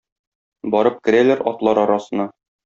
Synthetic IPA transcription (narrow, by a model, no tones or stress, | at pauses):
bɒɾɤp̚kɘ̆ɾælæɾɒ̰t̪lˠɑɾɒɾɑsɤ̆nɑ